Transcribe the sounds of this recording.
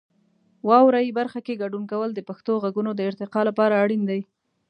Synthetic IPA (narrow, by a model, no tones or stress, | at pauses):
wɑwɾajibaɾxakeɡaɖunkawəld̪əpaxt̪oɣaɡunod̪əɪɾt̪ɪqɑlapɑɾaːɽind̪aj